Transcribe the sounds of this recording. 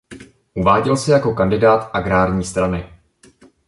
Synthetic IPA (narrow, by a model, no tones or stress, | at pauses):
ʔuvaːɟɛlsɪjako̞kandɪdaːt̪ʔaɡɾaːɾɲiːst̪ɾanɪ